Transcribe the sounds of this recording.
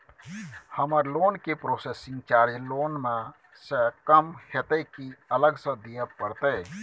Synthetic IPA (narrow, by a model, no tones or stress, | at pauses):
həməɾloːnkepɾoːseːsɪ̃ŋɡt͡ʃaːɾd͡ʒloːnmẽ | səkəmhet̪ekiələɡsə̃d̪ijãpəɾt̪e